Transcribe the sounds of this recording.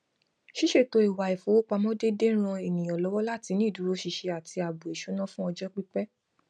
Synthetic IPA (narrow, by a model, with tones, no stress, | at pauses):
ʃi˦ʃe˦˨to˨˦i˨wa˨i˨fo˨˦wo˦k͡pa˧mɔ̃˦de˦de˦ɾ̃ã˧e˨nĩ˨j̃ɔ̃˨lɔ˨˦wɔ˦la˦˨ti˨˧nĩ˦˨du˨˦ɾo˦ʃi˧ʃe˧a˨ti˧a˨bu˨e˨ʃo˨˦nã˦fũ˦ɔ˧d͡ʒɔ˦k͡pi˦k͡pɛ˦